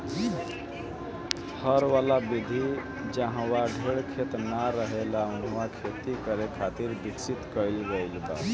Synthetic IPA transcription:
həɾʋalabid̪ʱi | d͡ʒaɦãwaɖʱeɽkʰet̪naɾəɦelaunwakʰet̪ikəɾekʰat̪iɾbiksit̪kəɪlɡəɪlba̰

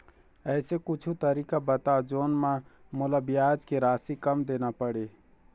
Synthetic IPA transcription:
ɛːsekʊt͡ʃʰut̪əɾiːkabət̪ad͡ʒoːnmã | molabɪjaːd͡ʒkeɾaːsikəmd̪eːnapəɽeː

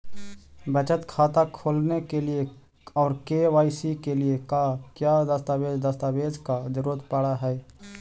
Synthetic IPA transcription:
bət͡ʃət̪kʰaːt̪akʰoːlnekelie | ɔːɾkeʋaːɪsikeliekakjad̪əst̪aːbeːd͡ʒd̪əst̪abeːd͡ʒkad̪ɪɾoːd̪ʱpaɽaɦɛː

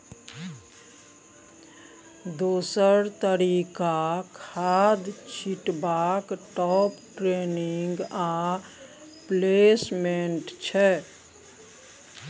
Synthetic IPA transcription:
d̪oːsəɾt̪əɾikakʰad̪t͡ʃʰiʈbakʈɔpʈɾeniŋɡa | plesmenʈt͡ʃʰɛ

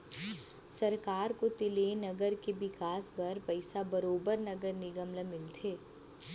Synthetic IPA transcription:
sɐɾkaːɾkot̪ɪlenɐɡəɾkebɪkaːsbɐɾpɐɪsabɐɾoːbəɾnɐɡəɾnɪɡəmləmɪlt̪ʰeː

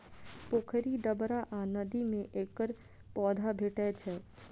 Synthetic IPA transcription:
poːkʰəɾiɖɐbɾaʔãnəd̪imẽʔeːkəɾ | pɔːd̪ʱabʱeʈɛt͡ʃʰɛ

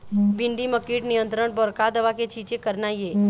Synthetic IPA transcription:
bɪ̃ɳɖiməkiːʈnijə̃nt̪ɾəɽbɔɾkad̪əʋaket͡ʃit͡ʃekəɾnaje

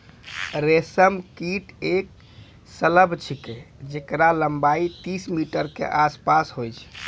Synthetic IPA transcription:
ɾesəmkiʈek̚ | sələbʱt͡ʃʰiked͡ʒekɾaləmbait̪ismiʈəɾkḛʔaspasɦojt͡ʃʰ

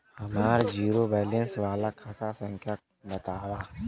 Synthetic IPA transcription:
hɐmaːɾd͡ʒiːɾobɛːlẽnsʋaːlakʰat̪ʰasə̃ŋkʰja | bɐt̪aːwaː

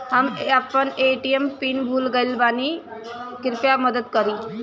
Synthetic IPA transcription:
ɦamapəɳeʈijempiːnbʱuːlɡəilbani | kiɾpjaməd̪əd̪kəɾi

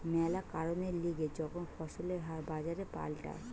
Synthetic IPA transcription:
mɛlakaɾoneɾliɡed͡ʑɔkʰonfʰɔʃoleɦaɾbad͡ʑaɾepa̰lʈa̰

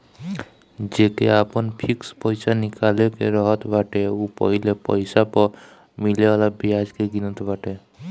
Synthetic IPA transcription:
d͡ʒekeapənpʰikspəjsanikalekeɾəɦət̪baʈeupəɦilepəɪsapəɾ | milealabiad͡ʒkeɡinət̪baʈe

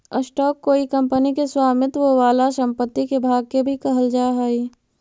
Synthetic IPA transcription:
əsʈɔːkːoːikɐ̃mpənikeswaːmɪt̪ʋoʋaːlaʃə̃mpət̪ːikebʱaːɡ̚kebʱikɐɦəld͡ʒaːɦaːiː

